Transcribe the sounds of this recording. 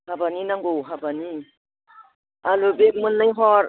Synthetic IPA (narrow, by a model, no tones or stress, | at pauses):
habaninaŋɡowɦabani | alobek̚munːajɦɔɾ